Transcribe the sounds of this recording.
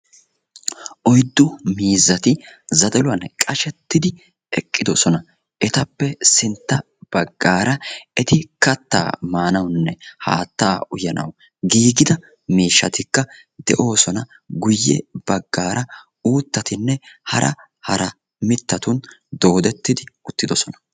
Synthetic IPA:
ʔɔjd̪ːʊmiːzːɐt̪ɪzɐd̪ɛlʊwɐnkʼɐʃɛt̪ːɪd̪ɪ | ɛkʼːɪd̪ɔsɔnɐ | ʔɛt̪ɐpːɛsɪnt̪ːɐ | b̥ɐɡːaːɾɐɛt̪ɪkɐt̪ːa̰ːmaːnɐwnːɛha̰ːt̪ːaːʊjɐnɐ̰w | ɡiːɡɪd̪ɐ | miːʃːɐt̪ɪkːɐ | d̪ɛʔo̞ːsɔnɐ | ɡʊjːɛ̰b̥ɐɡːaːɾʔɐ | uːt̪ːɐt̪ɪnːɛhɐɾʔɐ | hɐɾɐ | mɪt̪ːɐt̪ʊnd̪o̞ːd̪ɛt̪ːɪd̪ɪʊt̪ːɪd̪ɔsɔnɐ̥

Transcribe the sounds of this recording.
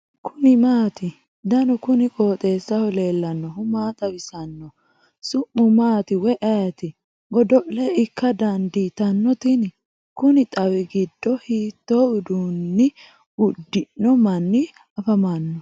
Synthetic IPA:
kʰʊnɪmaːt̪ɪ | d̪ɐnɔkʊnɪkʼo̞ːt̪ʼe̞ːsːɐhɔle̞ːlːɐnːɔhʊmaːt̪ʼɐwɪsɐnːɔ | sʊʔːʊmaːt̪ɪwɛʔɐjɐt̪ɪ | ɡɔd̪ɔʔlɛɪkːɐd̪ɐnd̪iːt̪ɐnːɔt̪ɪn | kʊnɪt̪ʼɐwɪɡɪd̪ːɔhiːt̪ːoːʊd̪uːnːɪ | ʊd̪ːɪnːɔmɐnːɪ | ɐfɐmanːɔ

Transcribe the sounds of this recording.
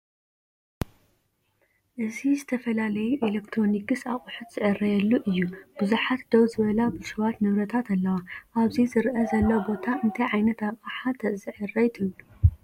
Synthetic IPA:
ʔɨzizɨt̪ʰɐfɐlalɐjuʔelɐkt̪ʰɾo̞nikɨsaχʼuħɨt̪z̥ɨʕɨrːɐjɛlːuʔɨjːub̥ɨzuħat̪d̪ɐwzɨβɐlabɨʃɨwat̪nɨβɾɐt̪ʰat̪ɐlːɐwaʔaβzizɨɾʔɐzɐlːɐwbo̞t̪ʰaʔɨnt̪ʰɐjʕajnɐt̪aβʼaħat̪zɨʕɨrːɐjt̪ʰɨβlu

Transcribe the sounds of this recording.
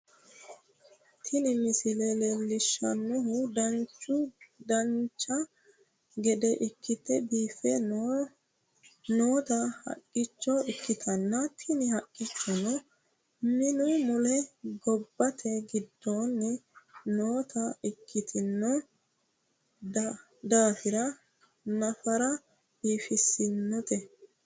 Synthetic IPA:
t̪ʰɪnɪmɪsɪlɛlɛlːɪʃːɐnːʊhʊd̪ɐnt͡ʃːʊd̪ɐnt͡ʃːɐ | ɡɛd̪ɛʔɪkːɪt̪ːɛbiːfɛ | noːt̪ɐhɐ̰kʼːɪt͡ʃːɔɪkːɪt̪ʰɐnːɐt̪ʰɪnɪhɐkʼːɪt͡ʃːɔnɛ | mɪnʊmʊlɛɡɔbːɐt̪ʰɛɡɪd̪ːoːnːɛnoːt̪ɐɪkʰːɪt̪ʰɪnːɔ | d̪aːfɪɾɐ | nɐfɐɾɐ | b̥iːfɪsːɪnːɔt̪ɛ

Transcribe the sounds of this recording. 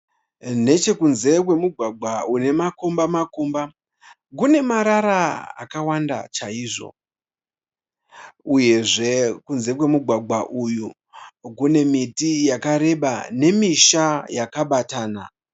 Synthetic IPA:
ne̞t͡ʃe̞kunze̞k̬we̞muɡʱwaɡʱwaune̞makombamakomba | kune̞maɾaɾaa̰kawanda̰t͡ʃaiːʐo̞̰ | uje̞ʐe̞kunze̞kwe̞muɡʱwaɡʱaʔuju | kune̞mitijakaɾe̞ɓa̰ne̞miʃajakaɓataːna̰

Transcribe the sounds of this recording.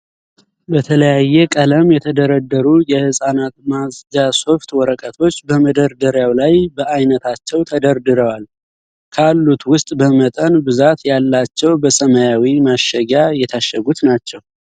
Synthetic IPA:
bət̪ʰələjajːɛkʼələmjɛt̪ʰəd̪əɾəd̪ːəɾujɛhɨsʼanat̪mazd͡ʒaso̞ft̪wɔɾəkʼət̪ʰo̞t͡ʃːbəməd̪əɾd̪əɾjawlajbəajnət̪ʰat͡ʃːɛwt̪ʰəd̪əɾd̪ɨɾəwal | kʰalːut̪wʊst̪ʼbəmət̪ʼənbɨzat̪jalːat͡ʃːɛwbəsəməjawimaʃːəɡajɛt̪ʰaʃːəɡut̪nat͡ʃːɛw

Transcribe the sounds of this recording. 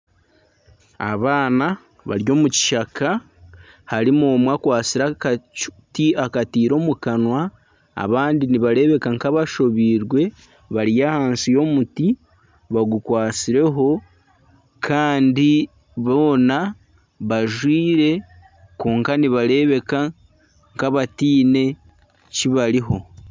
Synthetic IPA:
a̰βaːna | βa̰ɾjo̞ːmuci̥ʃakʰa | haɾimoːmwakwaːt͡siɾaktiakatiːɾo̞mukanwa | a̰βaːndiniβaɾe̞βe̞kaŋkaβaʃo̞βiːɾɡwe̞ | βaɾijahaːnsijo̞muti | βaɡukwaːt͡siɾe̞ɦo̞ | kʰaːndi | βoːna | βaʒwiːɾe̞ | koːŋkaniβaɾe̞βe̞ka | ŋkaβatiːne̞ | ciβaɾiɦo̞

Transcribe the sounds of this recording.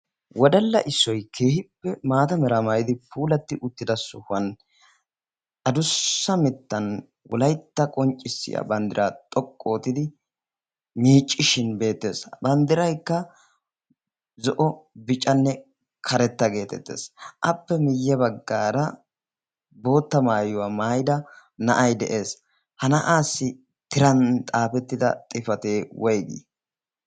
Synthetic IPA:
wɔd̪ɐlːɐ̰ʔɪsːɔjkʰe̞ːhɪpːɛmaːt̪ɐmɛɾɐmɐjɪd̪ɪpuːlɐt̪ːɪʔʊt̪ːɪd̪ɐsʊhɐn | ʔɐd̪ʊsːɐmɪt̪ːɐn | wɔ̰lɐjt̪ːɐkʼɔnt͡ʃʼːɪsːɪ̰jɐ̰bɐnd̪ɪɾʔaːt̪ʼɔkʼːo̞ːt̪ːɪd̪ɪ | miːt͡ʃʼːɪʃɪnbe̞ːt̪ːe̞̰ːsbɐnd̪ɪɾɐjkːɐ | zɔʔɔbɪt͡ʃʼːɐnːɛ | kʰɐɾɛt̪ːɐɡe̞ːt̪ɛ̰t̪ːḛːsʔɐpːɛmɪjːɛbɐɡːaːɾɐ | bo̞ːt̪ːɐmaːjʊwamaːjd̪ɐ | nɐʔɐjd̪ɛʔe̞ːs | hɐnɐʔaːsːɪ | t̪ɪɾɐnt̪ʼaːfɛt̪ːɪd̪ɐ̰t̪ʼɪfɐt̪e̞ːwʔɔjɡḭː

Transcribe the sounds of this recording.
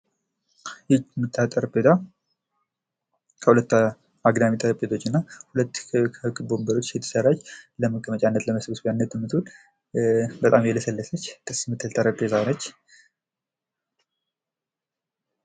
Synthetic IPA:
jɪd͡ʒmɨt̪ʰʼːat̪ʼəɾəbʼet̪ʰa | kʰəhulət̪ː | aɡd̪amit̪ʼəɾəpʼːet̪ʰo̞t͡ʃːɪnːahulət̪ːkʰəkʼɨbombəɾo̞t͡ʃːjɛt̪ʰə̥sərːat͡ʃːləməkʰʼːəmət͡ʃʼanːət̪ləməsbɨsbjanːət̪ːɨmːɨt̪ul | bət̪ʼamjɛləsəlːəsət͡ʃːt̪ʰɨsmɨt̪ʰːəlt̪ʰʼaɾəbezanət͡ʃː

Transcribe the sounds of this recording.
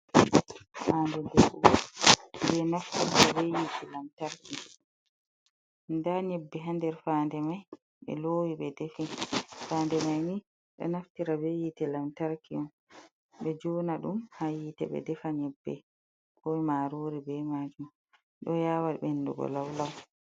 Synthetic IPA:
fandɛdɛfuɔbɛnaftiɾabejitʰɛlamtaɾki | ndaɲɛbːɛɦandɛɾfaːndɛmaj | ɓɛ̰loːwiɓɛdefifaːndɛmajni | ɗɔ̰naftiɾabejitɛlamtaɾkiɔm | ɓɛd͡ʒɔːnaɗumhajitɛɓɛ̰dɛfaɲɛbːɛ̰ | kɔjmaɾoɾibɛmad͡ʒum | ɗɔjaːwalbɛnːdṵɡɔ̰lawlaw

